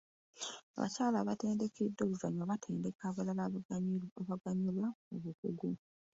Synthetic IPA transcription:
a̰βa̰caːlaβate̞ːndekedːo̞ːβuzaɲaβatʰe̞ːndekaːβalala | βaɡaɲulaoβukuɡu

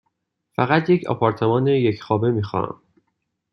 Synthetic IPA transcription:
fæɣæt̪je̞cʰɒ̰pʰɒːɾt̪ʰe̞mɒːnejecʰxɒːbe̞miːxɒ̰ːɾæ̰m

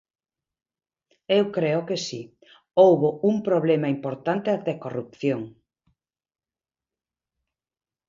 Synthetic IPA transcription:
ewkɾeʊkesi | owβouŋpɾoβlemaimpoɾt̪ant̪eat̪ekorup̚θjoŋ

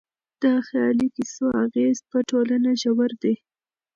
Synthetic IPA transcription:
d̪̥ɑxjɑlikisoaɣezpəʈolanaʒawaɾd̪e

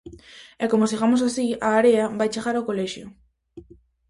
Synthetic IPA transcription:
ɛkomos̬iɣamos̬asiaːɾeabajt͡ʃeɣaɾokolɛʃjo

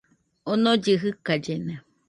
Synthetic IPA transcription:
onod͡ʒɨɦɨkad͡ʒena

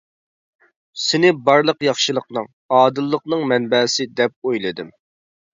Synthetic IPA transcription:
sɪnɪbɑɾlˠəqjɑχʃɨlˠəqnɨŋ | ɑːd̪ɨlˠːəqnɨŋmɛnbɛːsɪd̪ɛp̚ojlˠɨd̪ɨm

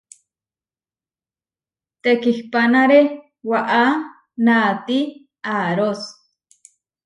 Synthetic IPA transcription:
t̪ekihpanaɾe | waʔa | nat̪i | aɾos

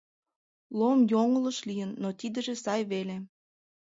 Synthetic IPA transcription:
lomjoŋə̆ləʃlijənːot̪id̪ə̆ʒesɑjβele

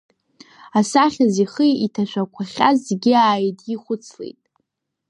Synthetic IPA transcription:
asaχʲaziχɨitʰaʃʷᶣʰakʷʰaχʲazɡʲiaːjtʼiχʷʊt͡sʰlḛjtʼ

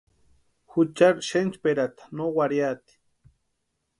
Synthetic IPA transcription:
xut͡ʃaɾʃent͡ʃpeɾat̪ḁnowaɾjat̪i̥

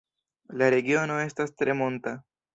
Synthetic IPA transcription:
laɾeɡjonoest̪ast̪ɾemont̪a

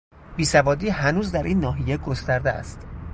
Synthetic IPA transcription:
b̥iːsævɒːd̪iːɦænuːzd̪æɾʔiːnːɒːɦijeɡost̪æɾd̪eæ̰st̪

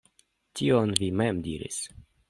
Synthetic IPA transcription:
tionvimemdiɾḭs

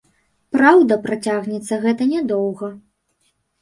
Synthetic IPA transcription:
pɾawd̪ɐpɾat͡sʲaɣnʲɛt̪sːɐɣɛt̪ɐnʲad̪ɔwɣɐ

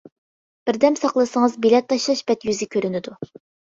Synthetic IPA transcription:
b̥ɪɾd̪ɛmsɑqlˠɨsəŋəzbilɛt̪ːɑʃlˠɑʃbɛt̪jyzɪkʲʰøɾynɪd̪u

